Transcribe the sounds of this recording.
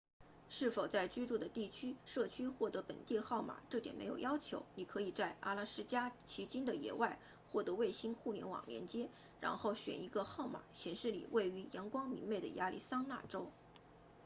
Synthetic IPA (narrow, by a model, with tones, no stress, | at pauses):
ʂɻ̩˥˩fo˨˩ʊt͡sa˥˩ɪt͡ɕy˥ʈ͡ʂu˥˩d̪ə˩t̪i˥˩t͡ɕʰy˥ʂɤ˥˩t͡ɕʰy˥xwɔ˥˩t̪ɤ˧˥pə̰˨˩nt̪i˥˧xɑ˥˩ʊma̰˨˩ʈ͡ʂɤ˥˩jɛ̰˨˩nmʔe˧˥jo˨˩ʊjɑ˥ʊt͡ɕʰjo˧˥ʊni˨˩kʰɤ˧˥i˨˩t͡sa˥˧ɪʔa̰˥˩la˥˩ʂɻ̩˥t͡ɕja˥t͡ɕʰi˧˥t͡ɕi˥nd̪ə˨jɛ̰˧˥wa˥˧ɪ | xwɔ˥˩t̪ɤ˧˥we˥˩ɪɕi˥nxu˥˩ljɛ̰˧˥nwɑ̰˨˩ŋljɛ̰˧˥nt͡ɕjɛ˥ | ɻa̰˧˥nxo˥˩ʊɕɥɛ̰˨˩ni˧˥ɡə˧xɑ˥˩ʊma̰˨˩˦ɕjɛ˧˥nʂɻ̩˥˩lḭ˨˩we˥˩ɪy˧˥jɑ˧˥ŋkwɑ˥ŋmḭ˧˥nme˥˩ɪd̪ə̰˩ja˥lḭ˥˩sɑ˥ŋna̰˥˩ʈ͡ʂo˥ʊ